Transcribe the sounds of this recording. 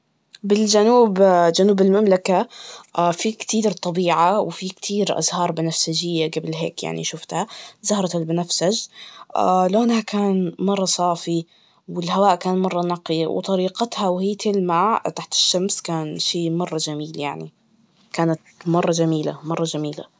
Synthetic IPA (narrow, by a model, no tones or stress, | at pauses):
bɪld͡ʒanuːbd͡ʒanuːbɪlmamlaka | fikt̪iːɾt̪ˤɑbiːʕawfikt̪ʰiːɾʔa̰zhɑːɾˤbɪnafsad͡ʒɪjːaɡabɪlɦḛːkja̰ʕnḭʃʊft̪hazɑhɾˤɑt̪albɪnafsad͡ʒʔaloːnhakaːnmɑrˤːɑsˤɑːfi | wɪlɦawaːʔkaːnmɑrˤːɑnɑqiw̰t̪ˤɑɾiːqɑt̪hawhijːt̪ʰɪlmaʕt̪aħt̪ɪ̥ʃːamskaːnʃiːmɑrˤːɑd͡ʒamiːlja̰ʕni | kaːnat̪mɑrˤːɑd͡ʒamiːla̰mɑrˤːɑd͡ʒamiːla̰